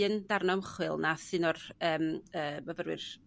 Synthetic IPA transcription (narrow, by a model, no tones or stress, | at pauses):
ənd̥arnɔmχwɨlˠnasɨnɔrəːməːmavəɾwɪ̰r